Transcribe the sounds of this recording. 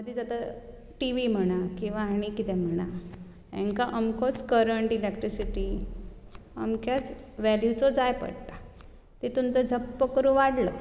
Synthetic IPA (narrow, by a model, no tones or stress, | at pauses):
məd̪ʱiːd͡zat̪a | ʈiʋim̤əɽ̃akĩw̃ʋaɦaɽ̃ikit̪ɛm̤əɽ̃a | ḛ̃ŋkaʔəmkɔt͡skəɾəɳʈilekʈɾisiʈi | ə̰mkjat͡sʋɛljut͡sɔd͡zajpə̰ɽt̪a | t̪it̪unt̪əd͡zʱəpːəkəɾũʋaɽlə